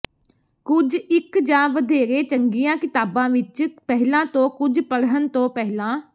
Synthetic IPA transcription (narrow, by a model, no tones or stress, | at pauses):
kʊd͡ʒɪkd͡ʒãːʋəd̪eːɾeːt͡ʃəŋɡijãːkɪt̪aːbãːʋɪt͡ʃpɛɦlãːt̪õːkʊd͡ʒpəɽɦənt̪õːpɛɦlãː